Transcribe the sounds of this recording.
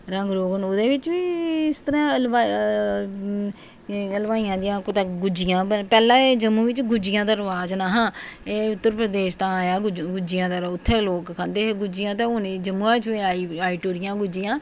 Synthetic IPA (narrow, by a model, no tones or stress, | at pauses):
ɾəŋɡɾoːɡənod̪eːʋɪt͡ʃʋiːɪst̪əɾãːlʋaː | lʋaːiːãːd̪ɪjãːkt̪aɡʊd͡ʒɪjãːbəpɛːlãːeːd͡ʒəmũːʋɪt͡ʃɡʊd͡ʒɪjãːd̪əɾʋaːznaːɦãːeːʊt̪ːəɾpɾəd̪eːʃt̪ãːaːjaːɡʊd͡ʒɪjãːd̪əɾaʊt̪ʰːeːloːkkʰãnd̪eːɡʊd͡ʒɪjãːt̪ẽːʊːniːd͡ʒəmːũaːɪt͡ʃːeaːiaːiːʈoːɾɪjãːɡʊd͡ʒɪjãː